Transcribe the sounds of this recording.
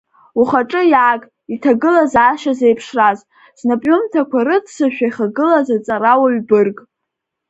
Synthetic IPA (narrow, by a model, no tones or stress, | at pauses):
uχaʈ͡ʂʼɨjaːkʼ | itʰaɡɨlazaːʃazejpʰʂraz | snapʼɥʊmtʰakʷʰaɾɨdsɨʃᶣajχaɡɨlazat͡sʼaɾawaɥbɨrkʼ